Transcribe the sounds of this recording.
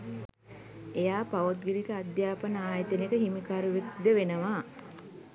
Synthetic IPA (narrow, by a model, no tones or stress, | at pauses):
ejaːpaʋot̪̚ɡiɾikəad̪jaːpənəaːjət̪ənekəɦimikaɾuʋekd̪əʋenəʋaː